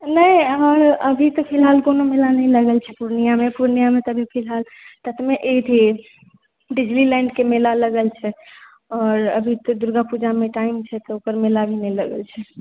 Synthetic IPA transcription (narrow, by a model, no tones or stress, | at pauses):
nəiɔːɾəbʱit̪ɔpʰilɦalkonomelanəĩləɡəlt͡ʃʰɛpuɾnijamepuɾnijamet̪əbʱipʰilɦal | t̪ət̪ʰmeʔet̪ʰi | ɖid͡ʒlilɛ̃ɳɖkemelaləɡəlt͡ʃʰɛ | ɔːɾə̰bʱit̪ɔd̪uɾɡapud͡ʒameʈaimt͡ʃʰɛt̪ɔokəɾmelabʱinəĩləɡə̰lt͡ʃʰɛ